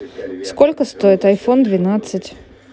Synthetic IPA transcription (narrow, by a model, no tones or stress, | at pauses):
skolʲkəst̪oɪt̪ɐjfond̪vʲɪnat̪sɨtʲ